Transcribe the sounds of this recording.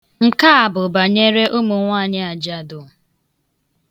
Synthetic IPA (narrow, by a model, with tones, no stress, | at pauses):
ŋ̩˨ka˦a˨bʊ˨ba˨ɲe˦ɾe˦ʔo˦mu˨ŋʷa˦˨ɲɪ˦a˨d͡ʒa˨dʊ˨